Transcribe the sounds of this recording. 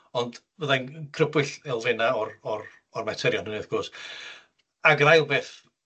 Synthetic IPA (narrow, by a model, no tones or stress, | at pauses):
ɔnd | vəðajnkʰrəbwɨɬɛlˠvɪnaɔrɔr | ɔrmɛtʰɛɾjɔnhuneðɡ̥oːs | aɡrajlˠbeːθ